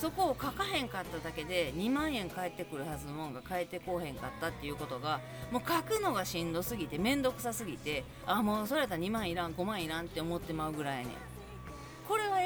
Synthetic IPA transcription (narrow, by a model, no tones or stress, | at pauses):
so̞ko̞ːkakahẽ̞ŋkat̪ːad̪ake̞d̪e̞ɲ̟imãɰ̃ẽ̞ŋkae̞t̪ːe̞kɯ̟ɾɯ̟hazɨno̞mõ̞ŋɡakae̞t̪ːe̞ko̞ːhẽ̞ŋkat̪ːat̪ːe̞jɯ̟ːko̞t̪o̞ɡa | moːkakɯ̟no̞ɡaɕĩnd̪o̞sɨɡʲit̪e̞mẽ̞nd̪o̞kɯ̟sasɨɡʲit̪e̞ | amo̞ːso̞ɾe̞t̪aɲ̟imãɰ̃iɾãŋɡo̞mãɰ̃iɾãnt̪ːe̞o̞mo̞t̪ːe̞maɯ̟ɡɯ̟ɾajanḛ̃ | ko̞ɾe̞βa